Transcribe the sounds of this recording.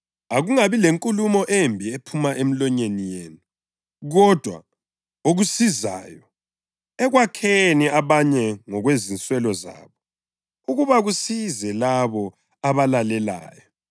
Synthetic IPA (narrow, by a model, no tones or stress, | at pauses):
aɣuŋaβileŋkʼulumɔʔembʱiepʰumaʔem̩lɔɲenijeːnu | ɣɔd̥ʱwa̰ | oɣusiza̰ːjɔ | ɛɣwakʰeniaβaɲɛŋɔɣwezint͡sʼwɛlɔza̰ːβɔ | uɣuβaɣusizɛlaβɔ | aβalalɛla̰ːjɔ